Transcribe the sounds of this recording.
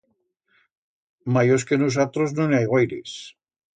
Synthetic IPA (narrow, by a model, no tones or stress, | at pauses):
majos̬kenus̬at̪ɾoznõnajɣwajɾḛs